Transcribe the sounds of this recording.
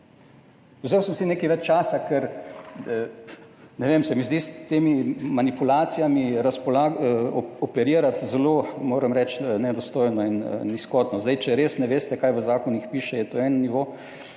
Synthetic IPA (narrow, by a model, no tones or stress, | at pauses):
uzeːwsəmsineːkiʋɛt͡ʃt͡ʃaːsakɛɾ | nɛʋemsɛmizd̪ist̪eːmimanipulaːt̪sijamiɾaspɔlaːɡɔpɛɾiːɾat̪zɛlomoːɾəmɾɛt͡ʃnɛd̪ɔst̪oːjnɔin̰niskɔːt̪nɔzd̪ɛjt͡ʃɛɾeːsnɛʋeːst̪ɛkaːjʋəzaːkɔnjixpiːʃɛjɛt̪oɛnniʋo